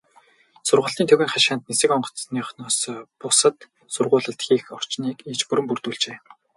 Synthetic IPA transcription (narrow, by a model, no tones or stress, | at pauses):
sʊrʁə̆ɬt̪iːnʰɵɣʲiːŋχaʃaːnt̪̚nesɘ̆kɔɴɢɞ̥̆t͡sniːχnɔːspʊsə̆t̪ | sʊrʁʊːɮə̆ɬt̪xʲiːxɔr̥t͡ɕniːkit͡ɕpɵɾɘ̆mpurt̪uːɮt͡ɕeː